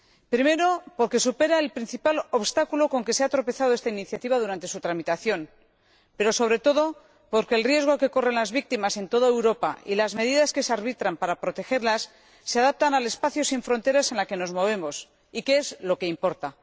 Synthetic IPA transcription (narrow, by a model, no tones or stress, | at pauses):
pɾime̞ɾo̞po̞ɾke̞supe̞ɾaelpɾin̟θipalo̞βst̪akulo̞ko̞ŋke̞seat̪ɾo̞pe̞θað̞oest̪ainiθjat̪iβ̞aðuɾant̪e̞sut̪ɾamit̪aθjo̞n | pe̞ɾo̞so̞βɾe̞t̪o̞ðo̞ | po̞ɾke̞ːlrje̞zɣ̞o̞ke̞ko̞re̞nlazβik̚t̪imase̞nt̪o̞ðaewɾo̞pa̰ilazme̞ð̞iðaske̞seaɾβit̪ɾampaɾapɾo̞t̪e̞xe̞ɾlasː | eaðap̚t̪anale̞spaθjo̞siɱfɾo̞nt̪e̞ɾase̞nlake̞no̞zmo̞β̞e̞mo̞s | ikeezlo̞ke̞impo̞ɾt̪a